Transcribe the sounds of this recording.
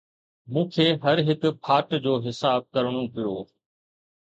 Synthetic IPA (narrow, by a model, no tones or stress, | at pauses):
mũːkʰeːɦɐɾɦɪkpʰaːʈd͡ʑoːɦɪsaːb̚kɐɾɽ̃õpɪjoː